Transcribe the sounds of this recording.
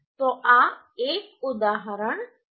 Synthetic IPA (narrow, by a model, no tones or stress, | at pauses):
t̪oːʔa | eːk̚ʊd̪aːɦɾəɳ